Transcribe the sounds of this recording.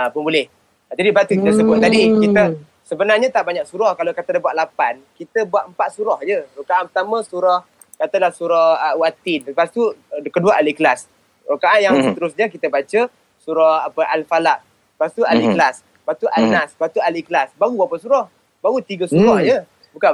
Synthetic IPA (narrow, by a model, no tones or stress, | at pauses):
apənbulɛh | d͡ʒadibat̪ukit̪əsəbʊt̪̚t̪ːadikit̪ə | səbənarɲat̪aʔbaɲaksuɾɔhkalokat̪əlabuaʔlapankit̪əbuaʔ̪əmpaʔ̪̚suɾɔhd͡ʒərukaʔanpərt̪amə̃suɾɔh | kat̪əlahsuɾɔhəwat̪ɪnsəpast̪ukəduaʔaliklas | rukaʔanjaŋsət̪əɾʊsɲəkit̪əbat͡ʃə | suɾɔhapəʔalfalaʔ | past̪ualikəlas | pat̪uʔanaspat̪ualikəlasbaɣuapasuɾɔh | baɣut̪iɡəsuɾɔhd͡ʒə | buka